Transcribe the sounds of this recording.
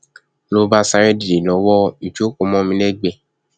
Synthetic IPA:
lo˧ba˦sa˧ɾɛ˦di˨e˨lɔ˨˦wɔ˦i˨t͡ʃo˨˦ko˧mɔ̃˦mĩ˧lɛ˦ɡ͡bɛ˧˨

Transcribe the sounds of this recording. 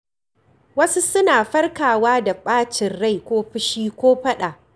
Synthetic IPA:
wɐ˦su˦sʊ˦naː˨ɸɐ˦rkaː˨waː˦da˨ɓaː˦t͡ʃɪ˨nɽa˦˨jkʷoː˦ɸɪ˦ʃiː˦kʷoː˦ɸɐ˦ɗaː˨ʔ

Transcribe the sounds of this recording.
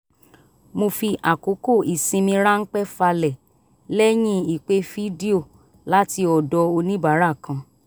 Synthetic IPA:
mo˧fi˧ʔa˨ko˨˦ko˦˨ʔi˨sĩ˧mĩ˧ɾa˦n̩˦k͡pɛ˦fa˧lɛ˨ | lɛ˦j̃ĩ˦i˨k͡pe˦fi˦di˦o˦˨ | la˦ti˧ɔ˨dɔ˧o˧nĩ˦ba˨˦ɾa˦˨kã˨˧

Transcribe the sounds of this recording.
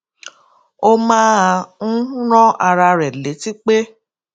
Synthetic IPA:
o˦mãː˦ã˧˦ɾ̃ɔ̃˦a˧ɾa˧ɾɛ˨le˨˦ti˦k͡pe˦

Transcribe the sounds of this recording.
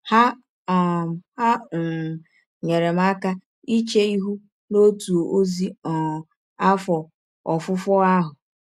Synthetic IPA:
ha˦˨ | ha˦n̩˨ | ɲe˨ɾe˨m̩˦a˦ka˦ | i˦t͡ʃe˦i˦ɦu˦ | no˦tu˨o˨ʔo˦zi˦ɔ˨ | a˦fɔ˨ | ɔ˨fʊ˦fɔ˦a˦ɦʊ˨

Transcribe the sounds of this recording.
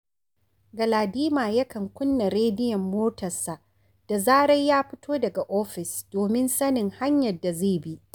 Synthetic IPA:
ɡɐ˨laː˨diː˦maː˨jɐ˦kɐ˨ŋkʷʊ˦nːa˨ɾeː˦dɪ˦jɐ˨mːoː˦tɐ˨sa˨ʔ | d̥a˨zaː˦ɽɐ˦jjaː˦ɸɪ˦tʰoː˦dɐ˨ɡa˨ʔoː˦ɸɪ˨sd̥oː˨mɪ˦nsɐ˦nɪ˨ŋha˦ɲjɐ˨dːa˨zeː˦˨bi˦ʔ

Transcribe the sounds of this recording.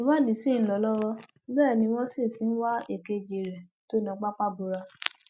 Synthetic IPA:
i˨˦wã˦˨di˨sĩ˦˨n̩˦lɔ˧˦lɔ˦ɾɔ˦ | bɛː˦˨nĩ˧w̃ɔ̃˦sĩ˦˨si˨˦n̩˦wa˦e˦˨ke˧d͡ʒe˨ɾɛ˨ | to˨˦˨nã˧˦k͡pa˦k͡pa˦bu˧ɾa˧

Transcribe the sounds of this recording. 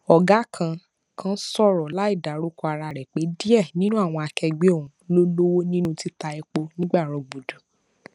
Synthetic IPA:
ɔ˨ɡa˨˦kʰã˧ | kã˦sɔ˦˨ɾɔ˨la˨˦i˦˨da˨ɾo˦kɔ˧a˧ɾa˧ɾɛ˨k͡pe˨˦di˦ɛ˦˨nĩ˦nũ˦a˦˨w̃ɔ̃˧a˧kɛ˧ɡ͡be˦o˦˨ũ˨lo˦lo˦wo˦nĩ˦nũ˦ti˦ta˧ɛ˧k͡po˧nĩ˦ɡ͡ba˦˨ɾ̃ɔ̃˨bu˨du˨

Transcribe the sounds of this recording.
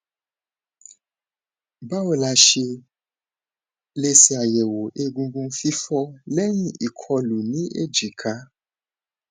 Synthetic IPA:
ba˦wo˨la˨˧ʃe˧ | le˦˧si˦a˨jɛ˨wo˨ʔe˦ɡũ˧ɡũ˧˦fi˦fɔ˦lɛ˦ɲĩ˨ʔi˨kʰɔ˧lu˨nĩ˦ʔe˦d͡ʒi˨kʰa˦

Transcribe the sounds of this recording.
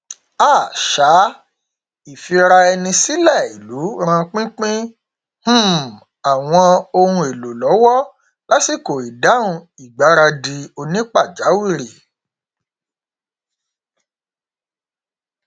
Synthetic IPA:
aː˦˨ʃa˨˦ | i˨fi˧ɾa˧ɛ˧nĩ˧si˦lɛ˦˨i˨lu˨˦ɾ̃ã˧k͡pĩ˦k͡pĩ˦ | h̩˦ | a˨w̃ɔ̃˧o˧hũ˧e˨lo˨lɔ˨˦wɔ˦ | la˦si˦˨ko˨i˨da˨˦ũ˧ | i˨ɡ͡ba˨˦ɾa˧di˧o˧nĩ˦k͡pa˦˨d͡ʒa˨˦wi˦˨ɾi˨

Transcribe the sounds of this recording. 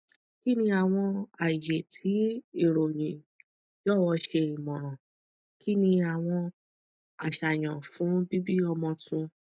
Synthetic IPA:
ki˦nĩ˧a˨w̃ɔ̃˧a˨je˨tʰi˨˦i˦˨ɾo˨j̃ĩ˨ | jɔ˦˨wɔ˧ʃe˧i˨mɔ̃˨ɾ̃ɔ̃˨ | ki˦nĩ˧a˨w̃ɔ̃˧ | a˨ʃa˨j̃ɔ̃˨fũ˨˦bi˦bi˦ɔ˧mɔ̃˧tũ˧

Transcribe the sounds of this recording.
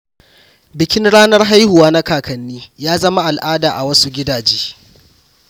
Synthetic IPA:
bɪ˨kʲɪ˦nɽaː˦nɐ˦rɦa˦jhʊ˨waː˦na˦kaː˨kʰɐ˨nːiː˦jaː˦zɐ˦ma˦ʔa˨lʔaː˦daː˨ʔa˨wɐ˦su˦ɡʲɪ˦daː˨d͡ʒeː˦

